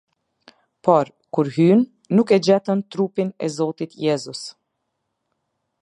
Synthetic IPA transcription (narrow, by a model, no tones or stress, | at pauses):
pɔɾ | kuɾɦynː | ukɛd͡ʑɛt̪ənt̪ɾupinɛ̰zɔt̪it̪jɛzus